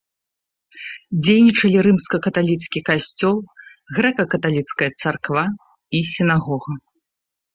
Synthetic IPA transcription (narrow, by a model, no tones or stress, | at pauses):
d͡zʲejnʲit͡ʂɐlʲiɾɨmskɐkɐt̪alʲit̪skʲikasʲt͡sʲɔlˠ | ɣɾɛkɐkɐt̪alʲit̪skɐjɐt̪sarkva | isʲinaɣɔɣɐ